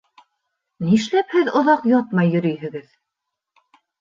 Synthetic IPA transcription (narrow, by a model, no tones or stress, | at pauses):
niʃlæphɘðŏðɑqjɑt̪mɑjːɵ̆ɾɵjɦɘ̆ɡɘð